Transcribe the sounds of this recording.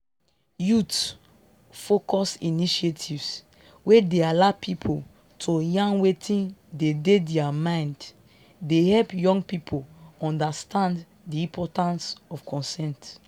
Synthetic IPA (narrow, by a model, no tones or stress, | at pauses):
jut | fokɔsiniʃetʰivs | wedealapʰipʰol | tʰojãnwetʰĩndededɛamãɪ̃nd | dehɛlpjɔ̃ŋɡpipʰoɔ̃ndastʰãnd | diĩpʰɔtãnsɔfkʰɔ̃nsɛ̃nt